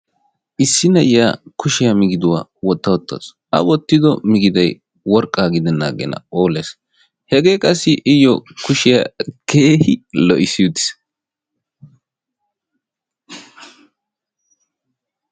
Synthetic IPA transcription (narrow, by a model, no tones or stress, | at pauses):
ʔɪsːɪnɐjaːkʊʃɪjamɪɡɪd̪ʊwa̰ːwɔt̪ːɐwɔt̪ːɐ̰s | ʔɐ̰wɔt̪ːɪd̪ɔmɪɡɪd̪ɐj | wɔɾkʼːaːɡɪd̪ɛnːa̰ːɡɛ̰nɐ̰oːleːs | hɛɡe̞ːkʼɐsːɪʔɪjɔkʊʃɪjakʰe̞ːhɪlɔʔɪsɪud̪ɪ̥s